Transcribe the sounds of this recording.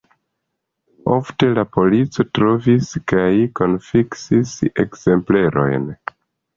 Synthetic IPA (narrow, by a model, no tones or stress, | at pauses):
o̞fte̞lapo̞lit͡so̞tɾo̞viskajko̞nfiksise̞̰kz̥e̞mple̞ɾʔo̞̰jn